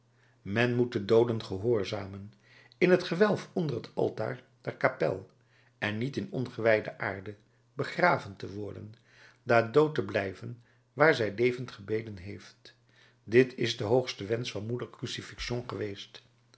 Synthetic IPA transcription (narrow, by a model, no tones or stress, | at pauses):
mɛnmut̚dədowdənχəɦʊːɹzaːmən | ɪnɦətχəʋɛlˠfɔndərɦətɑ̰lˠta̰ːɹ | dɛɹkapɛ̰lˠ | ʔɛnːitɪnɔnχəʋɛjdəʔa̰ːɹdə | bəχraːvəntəʋɔɹdə̰n | daːdowtəblɛjvən | ʋaːɹzɛjlejvəntχəbejdənɦejft | dɪtʰɪzdəɦowχstəʋɛnsfɑnmudəɹkrysifɪkʃonχəʋejst